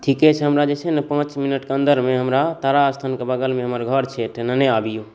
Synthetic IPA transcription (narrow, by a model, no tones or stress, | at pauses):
ʈʰikɛt͡ʃʰɦəmɾad͡ʒet͡ʃʰɛnepãt͡ʃminəʈkə̃nd̪əɾmeɦəmɾat̪aɾaːst̪ʰankebəɡəlmeɦəməɾɡʱəɾt͡ʃʰeʈ̪ʰnənəabijo